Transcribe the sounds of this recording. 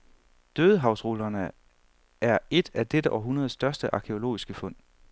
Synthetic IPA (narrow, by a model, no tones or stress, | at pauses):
d̥øːðˠəɦɑ̈ʊsʁolɐnə | æɐe̝d̥æd̥eɾəʔɒɦunɐð̞̩ˠsːd̥ɶɐsd̥əʔɑ̈kʰeo̝lo̝̰ːisɡ̥əfɔ̽n̰̥